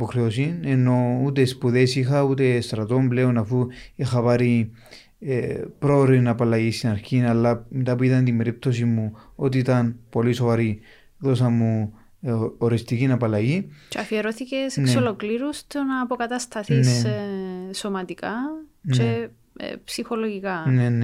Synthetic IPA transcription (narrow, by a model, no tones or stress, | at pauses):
poxɾeosinenːo̞ut̪e̞spuðe̞sixɐut̪e̞st̪ɾɐt̪o̞mble̞onafuixapaɾi | epɾoɾinapalajisinaɾçinalːamet̪apuit̪ɐnt̪imbe̞ɾip̚t̪o̞simːuot̪iːt̪ɐnpo̞liso̞vaɾi | ðo̞s̬amːu | oɾest̪ikinɐpalɐjit͡ʃeɐfieɾoθicesenkssolo̞kliɾust̪onɐːpokɐt̪ɐst̪ɐθins | so̞mɐt̪ikat͡ʃḛ | psixo̞loʝikɐnene